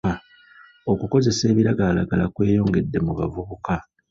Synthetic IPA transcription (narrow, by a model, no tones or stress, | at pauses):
a | o̞kuko̞ze̞se̞ːβiɾaɡaːlaɡalakwe̞ːjo̞ːŋɡe̞dːe̞muβavuβuka